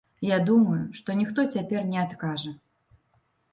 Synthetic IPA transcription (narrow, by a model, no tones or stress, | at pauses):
jad̪umɐjuʂt̪ɔnʲixt̪ɔt͡sʲapʲɛrnʲɛat̪kaʐɐ